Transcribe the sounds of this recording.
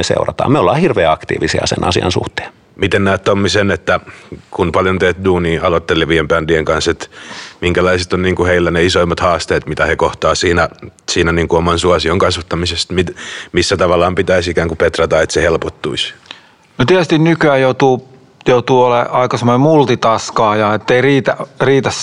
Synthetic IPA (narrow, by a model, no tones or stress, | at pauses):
esḛurɑt̪ɑːmeolːɑːhirʋeːɑkt̪ḭːʋisiɑ̰sḛnʔɑ̰siɑnsṵht̪e̥ːn | mit̪ennæːt̪t̪omːisenet̪ːækunpɑljont̪eːt̪̚duːniːɑlot̪ːelːiʋiempændieŋkɑnset̪miŋkælɑiset̪onniːŋkuheilːæneisoimːɑt̪hɑːst̪eːt̪mit̪æhekoht̪ɑːsiːnæsiːnæniːŋkuomɑnsuɑsioŋkɑsʋɑt̪ːɑmisest̪mimisːæt̪ɑʋɑlːˑɑːmpit̪æisikæːŋkupet̪rɑt̪ɑet̪sehelpot̪ːuis | not̪iæst̪innykyæjout̪uː | jout̪uːoleʔɑikɑsemonemult̪it̪ɑskɑːjɑet̪ːeiriːt̪æriːt̪æs